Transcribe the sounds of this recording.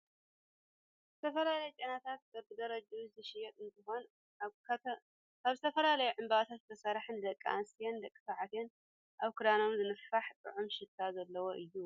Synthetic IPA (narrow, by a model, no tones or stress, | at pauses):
zɨt̪ʰɐfɐlalɐjɛt͡ʃʼenat̪ʰat̪̚ɐbɨd̪ɐɾɐd͡ʒauzɨʃɪjɛt̪ɨnt̪ʰɨxo̞n | aβzɨt̪ʰɐfɐlalɐjuʕɨmbaat̪ʰat̪̚t̪ʰɐsɐɾħɨnd̪ɐkʼːa̰nsijend̪ɐkʼːɨ̥saʕat̪en | ʔaβkʰɨd̪ano̞mzɨnɨfaħt̪ʼɨ̰ʕumʃɪt̪ʰːazɐlːɐwoʔɨjːu